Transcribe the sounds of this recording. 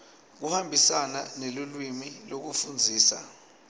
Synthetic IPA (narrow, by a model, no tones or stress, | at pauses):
k̬uhambʱisananelulwimilok̬ufund͡zʱiːsa̰